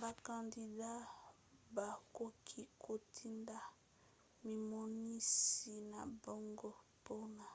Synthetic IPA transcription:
ba˨ka˨ndi˨da˦ | ba˨ko˦kʰi˦kʰo˨tʰi˦nda˨ | mi˨mo˨ni˦si˨na˨bo˦ŋɡɔ˦po˦na˨

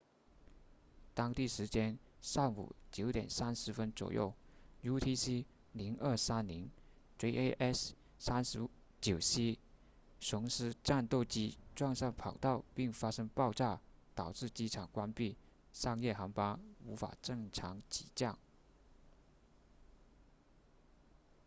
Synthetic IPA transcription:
t̪ɑ˥ŋt̪i˥˩ʂɻ̩˧˥t͡ɕjɛ˥nʂɑ˥˩ŋmṵ˨˩t͡ɕjo˧˥ʊt̪jɛ˨˩nsa˥nʂɻ̩˧˥fə˥nt͡swɔ̰˨˩jo̰˥˩ʊju˥t̪ʰi˥si˥ | li˧˥ŋʔə˞˥˩sa˥nli˧˥ŋ | ʈ͡ʂe˧˥ʔe˥ʔɛ˥˩s | sa˥nʂɻ̩˧˥ | t͡ɕjo˨˩ʊɕi˥ | ʂʊ˧˥ŋʂɻ̩˥ʈ͡ʂa˥˧nt̪o˥˩ʊt͡ɕi˥ʈ͡ʂwɑ˥˧ŋʂɑ˥˩ŋpʰɑ˨˩ʊt̪ɑ˥˩ʊpi˥˩ŋfa˥ʂɤ˥ŋpɑ˥˧ʊʈ͡ʂa˥˩t̪ɑ˨˩ʊʈ͡ʂɻ̩˥˩t͡ɕi˥ʈ͡ʂʰɑ˨˩ŋkwa˥npi˥˩ | ʂɑ˥˧ŋjɛ˥˩xɑ˧˥ŋpa˥u˧˥fa̰˨˩ʈ͡ʂɤ˥˩ŋʈ͡ʂʰɑ˧˥ŋt͡ɕi̥̰˨˩t͡ɕjɑ˥˩ŋ

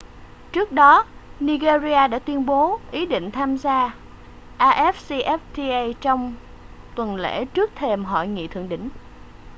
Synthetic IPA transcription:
t͡ɕɨ˦˥ək̚ɗɔ˨˦ni˧ɣe˧zi˧aː˧ɗa̰ː˧˥t̪wi˧ənɓo˨˦ʔi˨˦ɗḭ˧˨ŋ̟t̪ʰaː˧mzaː˧ | ʔaː˧ʔɛ˦˥f̚si˧ʔɛ˦˥f̚t̪i˧ʔa˧jt͡ɕɔ˧wŋ͡m | t̪wə˨˩nlḛ˧˥t͡ɕɨ˦˥k̚t̪ʰe˧mɦɔ̰˧˨jŋḭ˧˨t̪ʰɨ̰˧˨əŋɗḭ̈˧˥˨ŋ̟

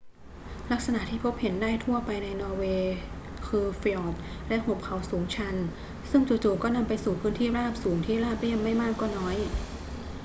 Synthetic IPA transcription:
la˦˥k̚sa˧na˨˩ʔt̪ʰiː˥˩pʰo˦˥p̚he˩˦ndaː˥˩jt̪ʰu˥˩ɐpa˧jna˧jnɔː˧weː˧ | kʰɯː˧fi˧ɔː˨˩p̚lɛ˦˥ho˨˩p̚kʰa˨˩˦wsuː˩˦ŋt͡ɕʰa˧n | sɯ˥˩ŋt͡ɕu˨˩t͡ɕuː˨˩kːɔː˥˩na˧mpa˧jsuː˨˩pʰɯː˦˥nt̪ʰiː˥˩ɾaː˥˩p̚suː˩˦ŋt̪ʰiː˥˩ɾaː˥˩p̚li˥˩əmːa˥˩jmaː˥˩kːɔː˥˩nɔː˦˥j

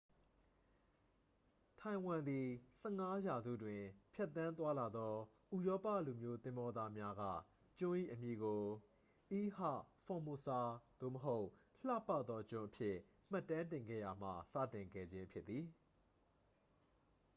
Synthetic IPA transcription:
tʰã˨ɪ̃wã˨nd̪i˨sɛ˦˨ŋa˦ja˨zṵ˦˨dwɪ̃˨pʰjɛ˦˨t̪ːã˦nt̪wa˦la˨d̪ɔ˦ | ʔu˨jɔ˦pä̰˦˨lu˨mjo˦t̪ɪ̃˦mbɔ˦d̪a˦mja˦ɡa̰˦˨ | t͡ɕʊ̃˦ʔḭ˦˨ʔəmji˨ɡo˨ | ʔi˦ha̰˦˨fɔ̃˨mo˨sa˨d̪̥o̰˦˨məɦo˦ʊʔ | l̥a̰˦˨pa˦˨t̪ðɔ˦t͡ɕʊ̃˦˨ʔəpʰjɪ˦ | m̥a˦˨tːã˦ntɪ̃˨ŋɡɛ̰˦˨ja˨m̥ä̰˦˨sä̰˦˨tɪ̃˨ŋɡɛ̰˦˨d͡ʑɪ̃˦pʰjɪ˦t̪ːði˨

